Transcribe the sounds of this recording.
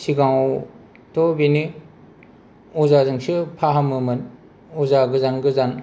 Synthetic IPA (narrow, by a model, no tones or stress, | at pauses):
siɡãw | tobini | ɔzazɯŋsɯpʰaɦamɯmɯn | ɔzaɡɯzanɡɯzan